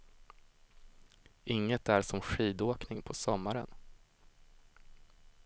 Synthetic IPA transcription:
ʔɪŋːət̪æɾʂɔmɧiːd̪oːknɪŋpʰɔsɔmːaɾə̰n

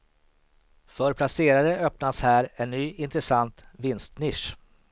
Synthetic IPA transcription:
fœɾpʰlaseːɾaɾəœpnashæːɾɛnːyːɪnt̪ɾɛsant̪vɪnst̪nɪʂ

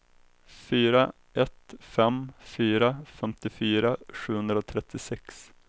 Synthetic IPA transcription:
fyːɾa | ʔɛt̪fɛmfyːɾafɛmt̪ɪfyːɾaɧʉ̟ːhɵnd̪ɾaɔt̪ʰɾɛt̪ʰːɪsɛks

